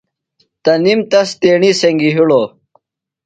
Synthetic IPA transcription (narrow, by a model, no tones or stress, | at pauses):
t̪ɐnimt̪ɐst̪eːɳiseŋɡiɦuɽo